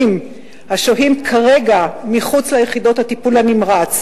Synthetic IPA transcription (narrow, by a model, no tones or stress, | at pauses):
m | haʃoɦimkʰaʁe̞ɡamiχut͡slajeχido̞thatipulhanimʁat͡s